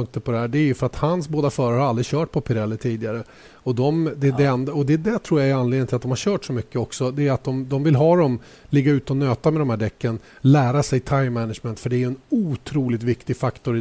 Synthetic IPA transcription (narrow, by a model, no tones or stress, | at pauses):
ɵŋk̚t̪əpʰɔd̪ɛɦæːɖɛːɾjɵfœɾat̪hansboːd̪afœːɾaɾəhaɾald̪ɾɪɕœːʈ̚pʰɔpʰɪɾɛlːət̪ʰiːd̪ɪɡaɾə | ɔd̪ɔmd̪ɛd̪ɛɛnd̪aɔd̪ɛd̪ɛt̪ʰɾuːɾjaɛɾanleːd̪ənt̪ʰɪlat̪d̪ɔmhaɾɕœːʈʂɔmʏkːəɔksɔd̪ɛːɾat̪̚d̪ɔmd̪ɔmvɪlɦɑːd̪ɔm | lɪɡːaʉ̟ːt̪əɔnøːt̪amɛd̪ɔmhæːɖɛkːən | læːɾasɛjt̪ʰaɪmːɛnaʂmɛnt̪fəɖɛæɾjɵɛnuːt̪ʰɾuːlɪt̪vɪkt̪ɪɡfakt̪ɔɾɪ